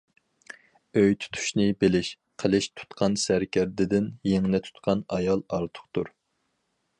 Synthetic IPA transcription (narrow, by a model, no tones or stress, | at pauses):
øjt̪ʰu̥t̪ʰu̥ʃnɪbelɪʃ | qʰəlˠɪʃt̪ʰu̥t̪qʰɑnsæɾkʲæɾd̪ɪd̪ɪnjeŋlɪt̪ʰu̥t̪̚qʰɑnɑjɑlˠɑɾt̪ʰʊ̥χt̪uɾ